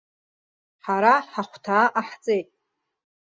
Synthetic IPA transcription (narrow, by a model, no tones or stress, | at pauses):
ħaɾaħaχʷtʰaːʔaħt͡sʼejtʼ